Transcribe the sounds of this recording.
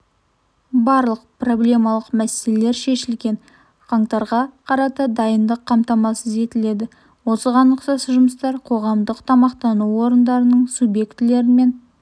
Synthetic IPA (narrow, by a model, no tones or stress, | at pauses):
bɑɾlˠəq̚pro̞blʲe̞mɑlˠəqmæselele̞ɾʃe̞ʃɪlɡʲe̞n | qʰɑɴt̪ɑɾʁɑqʰɑɾɑt̪əd̪ɑjənd̪əqʰːɑmt̪ɑmɑsəze̞t̪ɪle̞d̪ɪ | wo̞səʁɑnəqsɑsəʒʊməst̪ɑɾqʰo̞ʁɑmd̪əqt̪ʰɑmɑqt̪ɑnuwwo̞ɾənd̪ɑɾənəɴsubje̞kt̪ɪle̞ɾɪme̞n